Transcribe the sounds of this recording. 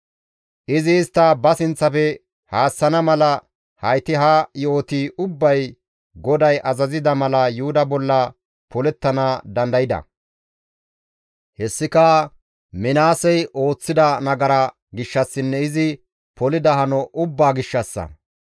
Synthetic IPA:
ʔɪzɪːst̪ːɐbɐsɪnt͡sːɐfɛ | haːsːɐnɐmɐlɐ | hɐjt̪ɪɦajo̞ːt̪iʔʊbːɐj | ɡɔd̪ɐjʔɐzɐzɪd̪ɐmɐlɐjʊhʊd̪ɐbɔlːɐ | pɔlɛt̪ːɐnad̪ɐnd̪ɐjɪd̪ɐ̰ | hɛsːɪkɐ | mɪnaːsɛjʔo̞ːt͡sːɪd̪ɐnɐɡɐɾɐ | ɡɪʃːɐsːɪnːɛɪzɪ | pɔlɪd̪ɐhɐnɔʔʊbːaːɡɪʃːɐsːɐ̰

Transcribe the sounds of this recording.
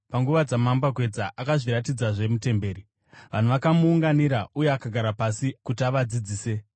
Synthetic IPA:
paŋɡuʋad͡zamambaɡʱwe̞d͡zaʔakaʐiɾatid͡zaʐe̞mute̞mbe̞ːɾi | ʋan̤uʋakamuːŋɡaniɾauje̞akaɡʱaɾapasikutiaʋad͡zid͡ziːse̞

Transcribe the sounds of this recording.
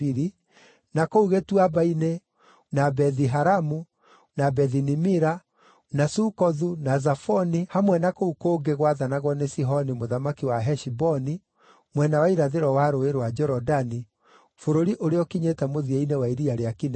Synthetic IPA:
iɾi | nakouɣetuabaine | nabɛðiɦaɾamu | nabɛðinimiɾa | nasukɔðunazafɔnihamwɛnakoukoːɡeɣwaðanaɣwɔnesiɦɔnimoðamakiwaɦɛʃibɔni | mwɛnawaiɾaðeɾɔwaɾoeɾwad͡ʒɛɾɔdani | foɾoɾiʔoɾeɔkiɲetɛmoðiainewaiɾiaɾeakin

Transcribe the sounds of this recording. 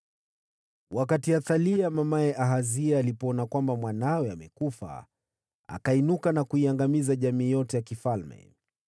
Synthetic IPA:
wʔakatiaθaliamamaɛʔaɦaziaːlipɔɔnakwambamwanawɛamɛkufa̰ | a̰kainukanakuiaŋɡamizaʄamiːjɔtɛjakifalmɛ̰

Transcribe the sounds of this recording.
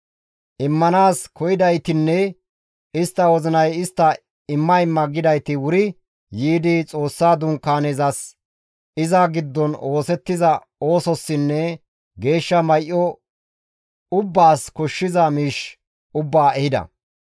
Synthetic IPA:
ʔɪmːɐnaːskɔjɪd̪ɐjt̪ɪnːɛ | ɪst̪ːɐwɔzɪnɐjɪst̪ːɐ | ɪmːɐɪmːɐɡɪd̪ɐjt̪ɪwʊɾɪ | jiːd̪ɪt͡sʼo̞ːsːaːd̪ʊŋkːaːnezɐs | ɪzɐɡɪd̪ːɔno̞ːsɛt̪ːɪzɐ | o̞ːsɔsːɪnːɛ | ɡe̞ːʃːɐmɐjʔɔ | ʊbːaːskɔʃːɪzɐmiːʃ | ʊbːaːʔɛhɪd̪ɐ̰

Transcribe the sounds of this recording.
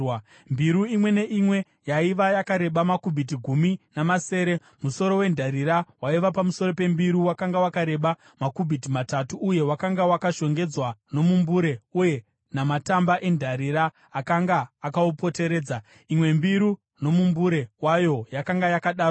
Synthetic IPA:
mbiɾuimwe̞ne̞ʔimwe̞ | jaiʋajakaɾe̞ɓamakubʱit̬iɡʱuminamase̞ːɾe̞ | muso̞ɾo̞we̞ndʱaɾiɾawaiʋapamuso̞ɾo̞pe̞mbiɾuwakaŋɡawakaɾe̞ɓa | makubʱitimatatuʔːje̞wakaŋɡawakaʃo̞ŋɡe̞d͡zwano̞mumbuɾe̞uje̞ | namatambaʔe̞ndʱaɾiɾaː | kaŋɡaːkaupo̞te̞ɾe̞ːd͡za | imwe̞mbiɾu | no̞mumbuɾe̞wajo̞jakaŋɡajakaɗaːro

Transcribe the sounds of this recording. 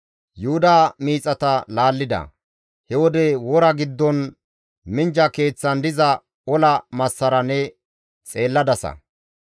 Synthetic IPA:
jʊhʊd̪aːmiːt͡sʼɐt̪ɐlaːlːɪd̪ɐ̰ | hɛwɔd̪ɛwɔɾɐɡɪd̪ːɔn | mɪnd͡ʒɐke̞ːt͡sːɐnd̪ɪzɐ | ɔlɐmɐsːɐɾɐnɛ | t͡sʼe̞ːlːɐd̪ɐsɐ̰

